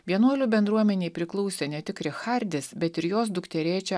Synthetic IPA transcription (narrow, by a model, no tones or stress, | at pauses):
ʋʲiɛnuɔlʲuːbʲɛnd̪ɾuɔmʲɛnʲeːpʲɾʲɪklˠɔʊsʲɛːnʲɛt̪ʲɪkɾʲɪxɐɾʲd̪ʲɪsbʲɛt̪ɪɾjoːs̬d̪ʊkt̪ʲɛɾʲeːt͡ʃʲɛ